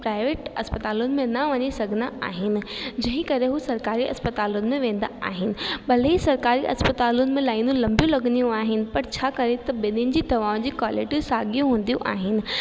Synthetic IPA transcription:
pɾaːɪʋeːʈɐspɐt̪aːlʊnɪ̆mẽnɐʋɐɲisɐɡʱɪnd̪aa̰ːɦɪnɪ̆d͡ʑɐ̃ɦɪ̃kɐɾeɦusɐɾkaːɾiʔɐ̰spɐt̪aːlʊnɪ̆mẽʋẽːn̆d̪a̰aːɦɪnɪ̆ɓɐl̤isɐɾkaːɾiʔɐ̰spɐt̪aːlʊnɪ̆mẽlaːɪnũlɐ̃mbjũlɐɡnijũaːɦɪnɪ̆pɐɾt͡ɕʰaːkɐɾet̪ɐbenɪnɪ̆d͡ʑiːd̪ʱɐʋaːʊ̃d͡ʑiːkwaːlɪʈisaːɡijũɦũːn̆d̪ijṵ̃ʔa̰ːɦɪnɪ̆

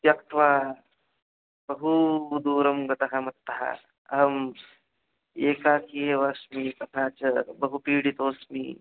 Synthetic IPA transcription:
tjɐkt̪ʰʋaː | bɐɦud̪uːɾɐmɡɐt̪ɐɦɐmɐt̪ːɐɦa̰ | ɐɦɐm | eːkaːkʰieːʋaːsmit̪ɐk̪ʰaːt͡ʃɐbɐɦupiːɽit̪oːsmḭː

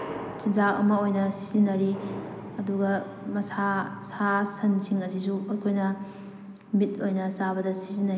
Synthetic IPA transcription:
sinzaʔɐ̰mɐojnɐsi̥zinːɐɾi | ɐduɡɐ | mɐsasasɐnsiŋɐs̬is̬uɐkʰojnɐ | mit̚ojnɐsaβɐdɐsi̥zinːɐɾi

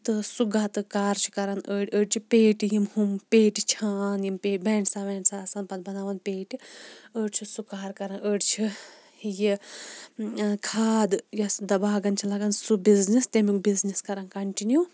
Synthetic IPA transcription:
t̪ɨsuɡaːt̪ɨkaːɾt͡ʃʰi̥kɐɾɐnʔəːɽʲəːɽt͡ʃʰipeːʈijimhumpeːʈit͡ʃʰaːnjimpeːʈbɛːɳʈsaːʋeːɳɖsaɐsɐːnpɐd̪bɐnaːʋɐnpeːʈiəːɽt͡ʃʰisukaːɾkɐɾɐnəːɽt͡ʃʰi | ji | kʰaːd̪jɐsd̪ɐbaːɡɐnt͡ʃʰilɐɡɐnsubiznist̪emikbizniskɐɾɐnkɐɳʈinjuː

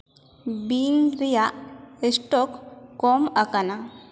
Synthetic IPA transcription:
binɾijaesʈokːomakana

